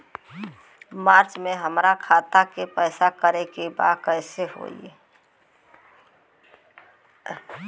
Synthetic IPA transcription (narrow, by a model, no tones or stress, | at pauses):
maːɾt͡ʃmeɦəmɾakʰaːt̪akepəɪsakəɾekeba̰ːkəɪseɦo̰ḭe